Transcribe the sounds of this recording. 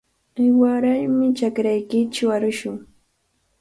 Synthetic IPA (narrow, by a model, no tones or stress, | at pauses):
ɪwaɾajmɪt͡ʃakɾajkɪt͡ʃʊaɾʊʃʊŋ